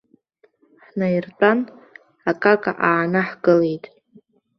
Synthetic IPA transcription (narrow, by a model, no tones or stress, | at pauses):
ħnajirtʼan | akʼakʼa̰ʔaːnaħɡɨle̞jtʼ